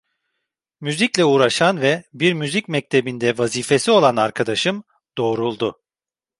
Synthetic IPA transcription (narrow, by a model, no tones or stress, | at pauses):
myziclʲɛuːɾaʃanvɛbiɾmyzicmɛc̚t̪ʰe̞bind̪ɛvaziːfe̞sio̞lˠanaɾkʰad̪aʃɯm | d̪̥o̞ːɾulˠd̪ʊ